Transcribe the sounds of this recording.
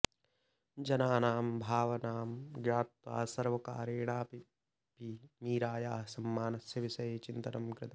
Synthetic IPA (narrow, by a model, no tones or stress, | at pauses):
d͡ʒɐnaːnaːmbʱaːʋɐnaːmɡjaːt̪wa̰ːsɐɾʋɐka̰ːɾeːɽaːpi | pimiːɾaːjaːɦɐsɐmːaːnɐsjɐʋiʃɐjet͡ʃint̪ɐnɐmɡɾɪt̪ɐ